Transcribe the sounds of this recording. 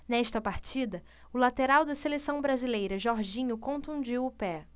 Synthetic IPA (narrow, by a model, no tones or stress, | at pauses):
nɛʃt̪ɐpaɾt͡ʃid̪ɐ | ʊlat̪eɾawd̪ɐselesɐ̃w̃bɾazilejɾɐʒɔɾʒĩɲʊkõnt̪ũd͡ʒiwʊpɛ